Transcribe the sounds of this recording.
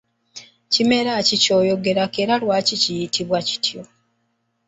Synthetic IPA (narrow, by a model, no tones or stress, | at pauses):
cime̞ɾacico̞ːjo̞ɡe̞ɾake̞ɾalwaːcicijitʰiβwaci̥tʰjo̞